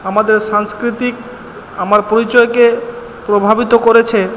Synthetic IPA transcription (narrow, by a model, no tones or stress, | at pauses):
amad̪eɾʃaŋskɾit̪ik̚ | amaɾpoɾit͡ɕɔeke | pɾobʱabit̪okoɾet͡ɕʰe